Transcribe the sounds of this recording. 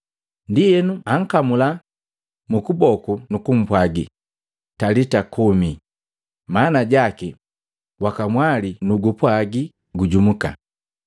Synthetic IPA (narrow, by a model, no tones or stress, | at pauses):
ndijɛnuaŋ̩kamula | mukubɔkunukum̩pwaɡḭ | talitakumi | manaɟaki | wakamwalinuɡupwaɡi | ɡuɟumuka̰